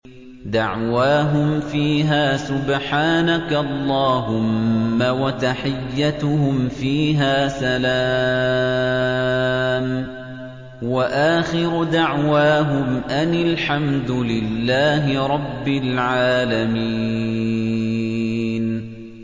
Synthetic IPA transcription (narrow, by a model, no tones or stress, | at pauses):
d̪aʕwaːɦʊmfiːɦaːsʊbħaːnaklˤːɑːɦʊmːawat̪aħɪjːat̪ʊhʊmfiːɦaːsala | m | waʔaːxɪɾʊd̪aʕwaːɦʊmʔanɪlħamd̪ʊlɪlːaːɦɪɾˤɑbːɪlʕaːlami | n